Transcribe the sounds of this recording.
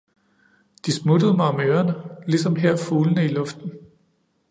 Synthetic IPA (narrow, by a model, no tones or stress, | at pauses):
d̥ismud̥əð̞̩ˠəmɑ̈ɒ̽møːɐnəlisɒ̽mɦeɐ̰fuːlənəilɔ̽fd̥n̩